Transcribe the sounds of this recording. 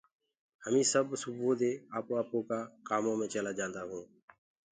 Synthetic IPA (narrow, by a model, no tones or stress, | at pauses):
həmĩːsəbsʊbʱoːd̪eːaːpoːaːpõːkaːkaːmõːmẽːt͡ʃəlaːd͡ʒãːnd̪aːɦũː